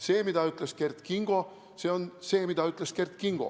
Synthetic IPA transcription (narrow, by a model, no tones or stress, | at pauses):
se̞ːmid̪̥ɑyt̪leske̞rt̪kiŋɡ̥o̞ | se̞ːonse̞ːmid̪̥ɑyt̪ˑleske̞rt̪kiŋɡ̥o̞̰